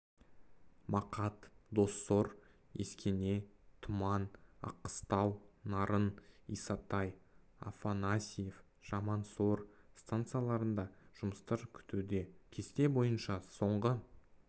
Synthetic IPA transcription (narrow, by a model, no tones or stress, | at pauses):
mɑqɑt̪d̪o̞sːo̞ɾ | eskʲene̞t̪ʰʊmɑnɑ̰qːə̥st̪ɑlˠnɑɾənḭsɑt̪ɑj | a̰fanasʲijef | ʒ̥ɑmɑnso̞ɾst̪ant̪sɨjalˠɑɾənd̪ɑʒ̥ʊməst̪əɾkʲʰʏ̥t̪ʰud̪e̞kʲʰe̞st̪e̞bo̞jənʃɑso̞ɴʁə